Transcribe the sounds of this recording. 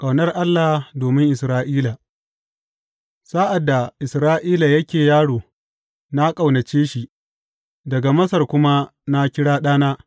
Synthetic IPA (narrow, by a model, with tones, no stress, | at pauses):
kʼɐ˨wnɐ˦rʔa˦lːa˨doː˨mɪ˦ŋʔɪ˨sɾaː˦ʔiː˦la˨ | saː˦ʔa˨dːa˨ʔɪ˨sɾaː˦ʔiː˦la˨jɐ˦kʲeː˨jaː˦ɽoː˨ | na˦kʼa˨wnɐ˨t͡ʃeː˦ʃi˦˨ʔ | dɐ˨ɡa˨mɐ˦sɐ˨rkʷʊ˦ma˦na˦kʲɪ˦ɽaː˦ɗaː˦naː˦